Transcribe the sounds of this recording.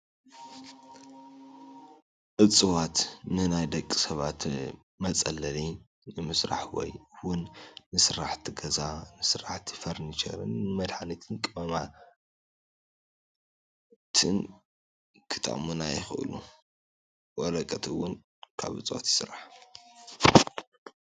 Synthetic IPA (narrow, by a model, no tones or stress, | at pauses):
ʔɨt͡sʼɨwat̪nɨnajd̪ɐkʼːi̥sɐβat̪ | mɐt͡sʼɐ̰lːɐli | nɨmɨsɾa̰ħwɔ̰jɨwʊnːɨsɨɾaħt̪ʰiɡɐzanɨsɨɾaħt̪ʰi̥fɐɾnit͡ʃɐ̰ɾɨ̰nːɨmɐd̪ħanit̪ʰɨnkʼɨmɐma | t̪ʰɨn | kʰɨ̥t̪ʼɐ̰ʔmunajɪxɨʔɨ̰lu | wɔɾɐkʼɐt̪ʰɨwʊn | kʰa̰βʔɨ̰t͡sʼɨwa̰t̪sɨɾaħ